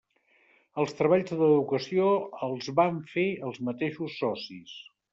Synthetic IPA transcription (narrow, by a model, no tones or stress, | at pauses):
əlˠst̪ɾəβ̞aʎzðəðukəsioəlˠzβaɱfeəlˠzmət̪eʃusːɔsis